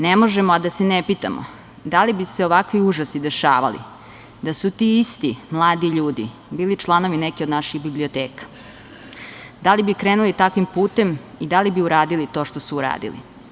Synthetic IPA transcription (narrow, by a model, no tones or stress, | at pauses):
nemo̞ʒemoad̪asenepit̪a̰mo̰ | d̪alibise̞o̞ʋakʋiuʒasid̪e̞ʃaːʋa̰lḭ | d̪asut̪iist̪imlˠaːd̪iʎuːd̪ḭ | biːlit͡ʃlˠano̞ʋinekiod̪naʃiɣbiblio̞t̪eːkḁ | d̪alibikɾeːnulit̪akʋimpuːt̪e̞mid̪alibiuɾaːd̪ilit̪o̞ːʃt̪o̞suːɾa̰ːd̪ḭlḭ